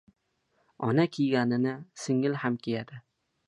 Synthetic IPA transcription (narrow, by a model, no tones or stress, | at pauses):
ɒnakʲʰejɡʲanɪnɪsɪŋɪlhamkʲejad̪̥ɪ